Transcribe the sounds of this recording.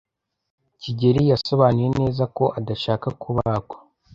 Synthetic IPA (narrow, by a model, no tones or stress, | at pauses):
ciɟe̞ɾijaso̞βanuje̞ne̞ːzako̞ʔadaʃaːkakʰuβakwo̥